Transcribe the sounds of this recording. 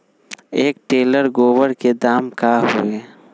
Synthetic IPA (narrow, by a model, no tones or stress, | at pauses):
eːk̚ʈeːləɾɡoːʋəɾked̪aːmkaɦṵeː